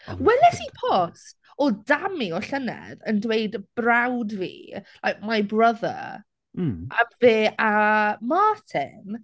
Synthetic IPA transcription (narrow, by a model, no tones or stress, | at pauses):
wɛlɛsipʰɔs | ɔdamiɔɬənɛ̰ðəndwejdb̥rawdvḭːlajk̚majbrəðə̰ | ʔaveːamaːtʰɪ̰n